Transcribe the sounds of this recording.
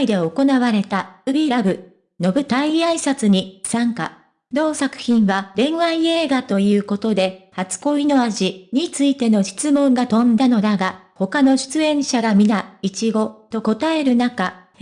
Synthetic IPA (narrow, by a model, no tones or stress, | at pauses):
id̪e̞o̞ko̞naβaɾe̞t̪aɯ̟bʲiɾaɡɯ̟ | no̞bɯ̟t̪aiaisat͡sɨɲ̟isãŋka̰ | d̪o̞ːsakɯ̟̥çĩɰ̃βaɾẽ̞ɰ̃βaie̞ːɡat̪o̞jɯ̟ːko̞t̪o̞d̪e̞hat͡sɨ̥ko̞ino̞aʑiɲ̟it͡sɨit̪e̞no̞ɕi̥t͡sɨmõ̞ŋɡat̪õ̞nd̪ano̞d̪aɡa | ho̞kano̞ɕɨ̥t͡sɨẽ̞ɰ̃ɕaɡamʲinait͡ɕiɡo̞t̪o̞ko̞t̪ae̞ɾɯ̟naka